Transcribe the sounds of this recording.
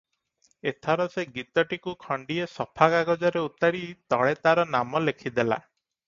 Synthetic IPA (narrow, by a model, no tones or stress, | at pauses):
et̪ʰɔɾɔseɡit̪ɔʈikukʰɔɳɖiesɔpʰaɡaɡɔd͡ʒɔɾeut̪aɽit̪ɔɭet̪aɾɔnamɔlekʰid̪ela̰